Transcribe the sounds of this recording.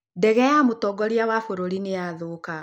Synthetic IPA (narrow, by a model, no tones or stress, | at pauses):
dɛɣɛjamotɔɡɔɾiawafoɾoɾinejaðoka